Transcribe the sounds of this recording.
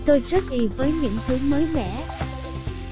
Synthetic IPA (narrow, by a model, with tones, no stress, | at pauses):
t̪o˧jzə˦˥t̚ʔi˨˩vəː˨˦jɲɨ̰˧˥ŋt̪ʰɨ˨˦məː˨˦jlɛ̰˧˩˥